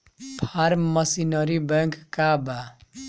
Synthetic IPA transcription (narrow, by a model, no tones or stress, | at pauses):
pʰaɾmmːʌsinʌɾibɛ̃ŋkkaba